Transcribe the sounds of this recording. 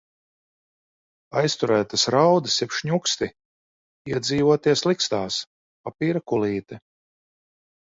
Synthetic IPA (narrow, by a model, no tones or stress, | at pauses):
ajst̪uɾæːt̪asɾawd̪ɨsjɛpʃɲukst̪i | iɛd̪ziːvuɔt̪iɛslˠikst̪aːs | papiːɾakulˠiːt̪ɛ